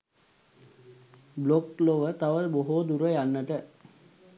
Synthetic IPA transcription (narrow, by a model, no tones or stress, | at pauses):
blokloʋət̪aʋəlboɦod̪uɾəjanːəʈə